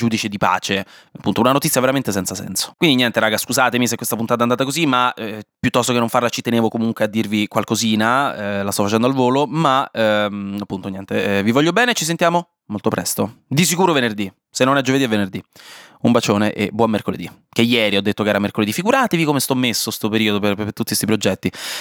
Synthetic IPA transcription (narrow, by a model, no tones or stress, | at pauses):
d͡ʒuːd̪it͡ʃed̪ipa̰ːt͡ʃeapːunt̪ounanot̪it̪sjaveɾament̪esɛnt̪sasɛ̰nso̥kwind̪inɲjɛnt̪eɾaːɡaskuzaːt̪emis̬ekːwest̪ap̬unt̪at̪and̪at̪akozimːaɛpjut̪ːɔst̪okenːoɱfarlat͡ʃit̪eneːvokomuŋkwead̪ːirvikwalkoziːnaɛlast̪ɔfat͡ʃɛnd̪oalvoːlomaɛapːunt̪oɲjɛnt̪evivɔʎːjːobɛːnet͡ʃis̬ent̪jaːmo | molt̪opɾɛ̰st̪od̪is̬ikuːɾovenerd̪i | senːonɛd͡ʒoved̪iɛvenerd̪iumbat͡ʃoːneʔebwɔmːerkolḛd̪ik̟ejɛːɾiɔd̪ːet̪ːokeɛːɾamerkoled̪ifiɡuɾaːt̪evikomest̪ɔmːesːost̪opeɾiːod̪opeet̪ːut̪ːist̪ipɾod͡ʒɛt̪ːi